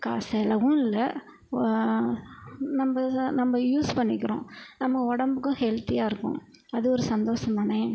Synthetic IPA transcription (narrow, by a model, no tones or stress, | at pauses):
ka̰ːsɛlɐɣũnɪlɐ | nɐmbɐnɐmːɐjuːspɐɳːɪkːɪɾõ̰ːnɐmɐɔɽɐmbɯkːʊ̃hɛlt̪ijaːɪɾɯkːʊ̰̃ | ɐðɯɔɾɯsɐnd̪oːʂɐmɐnɐ